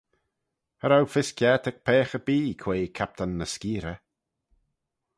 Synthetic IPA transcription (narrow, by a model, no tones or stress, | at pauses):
həɾawfɪskjɛːt̪ək̚pʰɛːxəbiːkʰweːkʰap̚t̪ʰanːəskiːɾə